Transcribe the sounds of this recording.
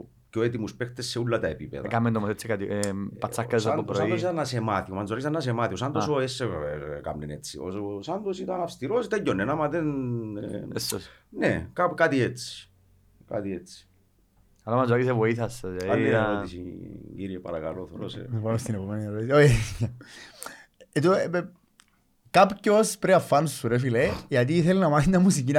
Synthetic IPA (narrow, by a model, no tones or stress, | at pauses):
ceoet̪imuspext̪esːeulːɐt̪ɐepipḛðɐkamːend̪omoset͡sːekat̪ipɐt͡sːakːɐsopɾɾoaiosit̪ɐnːɐsemat̪iomɐnzoaɾisɐnːɐsemat̪iosɐnd̪osoesːeka̰mnenet͡sːḭo̰sosɐnd̪osit̪ɐnɐfst̪iɾosit̪ejonːenɐmɐðen | esosnekapkat̪iet͡sːi̥ | ka̰t̪iet͡sːi̥ | ɐlɐmɐzɐkisevoiθɐsːɐsjɐt̪aioisiɡiɾiepɐ̰ɾɐkɐ̰loθoɾosḛmepamest̪inepomenieɾot̪isoe | et̪o | kapcospɾeɐfːɐnsuɾefilejʝɐt̪̬iːθelinɐmɐθint̪ɐmːus̬icin